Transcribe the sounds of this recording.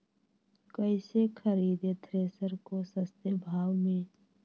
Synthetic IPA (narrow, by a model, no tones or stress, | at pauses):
kəɪsekʰəɾiːd̪et̪ʰɾeːsəɾkosəst̪ebʱaːwmẽː